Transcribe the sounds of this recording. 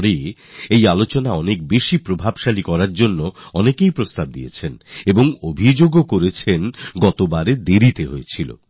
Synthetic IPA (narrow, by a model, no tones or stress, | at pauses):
ɾeejalot͡ɕonaɔnek̚beʃipɾobʱabʃalikɔɾaɾd͡ʑonːoɔnekejpɾost̪ab̚d̪ḭet͡ɕʰeneboŋobʱid͡ʑoɡokoɾet͡ɕʰenɡɔt̪obaɾed̪eɾit̪eɦojet͡ɕʰilo̰